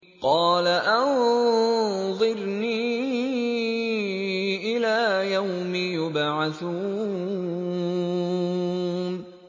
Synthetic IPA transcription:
qɑːlaʔan | ðˤɨɾniː | ʔɪlaːjawmɪjʊbʕaθuː | n

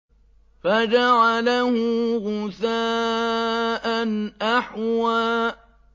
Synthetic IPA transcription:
fad͡ʒaʕalahʊɣʊθaː | ʔanʔaħwaːʔ

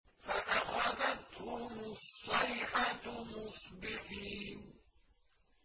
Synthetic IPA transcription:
faʔaxaðat̪hʊmʊsˤːɑjħat̪mʊsˤbɪħiːn

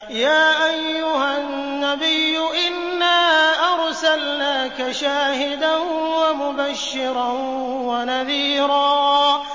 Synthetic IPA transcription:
jaːʔajːʊhanːabɪjːʊʔɪnːaːʔɑɾˤsalnaːkaʃaːhɪd̪anwamʊbaʃːɪɾɑn | wanaðiːɾɑː

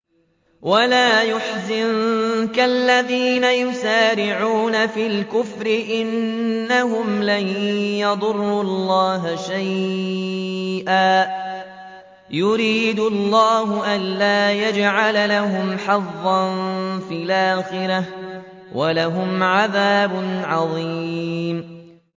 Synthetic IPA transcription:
walaːjʊħzɪnkalːaðiːnajʊsaːɾɪʕuːnafiːlkʊfɾɪʔɪnːaɦʊmlanjɑd̪ˤʊrˤːulˤːɑːɦaʃaj | ʔaː | jʊɾiːd̪ʊlːɑːɦʊʔanlaːjad͡ʒʕalalaɦʊmħɑðːɑnfiːlʔaːxɪɾa | wʔalaɦʊmʕaðaːbʊnʕɑðˤiːm

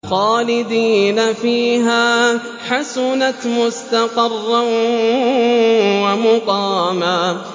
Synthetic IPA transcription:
xɑːlɪd̪iːnafiːɦaː | ħasʊnat̪mʊst̪aqɑrːan | wamʊqɑːmaː

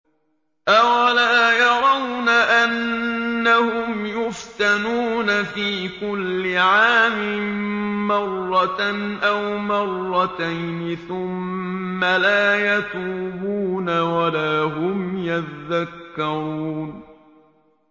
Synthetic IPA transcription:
ʔawalaːjɑɾˤɑwnaʔanː | ahʊmjʊft̪anuːnafiːkʊlːɪʕaːmɪ | mɑrˤːɑt̪nʔawmɑrˤːɑt̪ajnɪθʊmːalaːjat̪uːbuːnawalaːɦʊmjat̪ðakːɑɾɾuːn

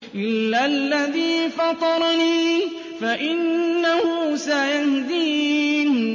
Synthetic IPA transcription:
ʔɪlːalːaðiːfɑt̪ˤɑɾˤniː | faʔɪnːahʊsajahd̪iːn

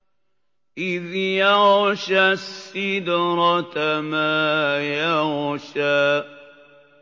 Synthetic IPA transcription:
ʔɪðjaɣʃasːɪd̪ɾˤɑt̪amaːjaɣʃaː

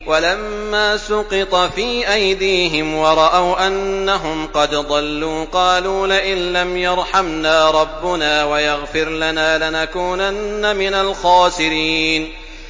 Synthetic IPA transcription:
walamːaːsʊqɨt̪ˤɑfiːʔajd̪iːɦɪmwɑɾˤɑʔawʔanːaɦʊmqɑd̪d̪ˤɑlːuːqɑːluːnaʔɪnlamjɑɾˤħamnaːɾˤɑbːʊnaːwajaɣfɪɾlanaːlɪnakuːnanːamɪnalxɑːsɪɾiːn

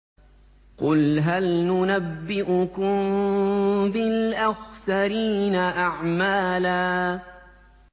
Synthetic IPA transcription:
qʊlɦalnʊnabːɪʔʊkʊm | bɪlʔaxsaɾiːnaʔaʕmaːlaː

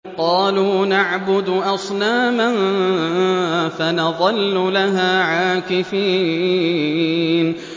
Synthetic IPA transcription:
qɑːluːnaʕbʊd̪ʔɑsˤnaːman | fanɑðˤɑlːʊlaɦaːʕaːkɪfiː | n

